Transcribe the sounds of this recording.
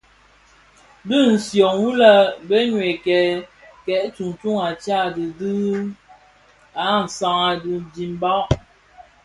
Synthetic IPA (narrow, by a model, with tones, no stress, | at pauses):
bə˦˨n̩˨sjɔ˨ŋwu˦la˦bə˦ɲwe˨kɛ˨ | kɛ˨ʔtu˨ŋtu˦ŋa˨t͡ʃa˦˨di˨dɨ˦ | a˨˦n̩˨sa˨ŋa˨dɨ˨bi˨m˦bɔ˦ʔ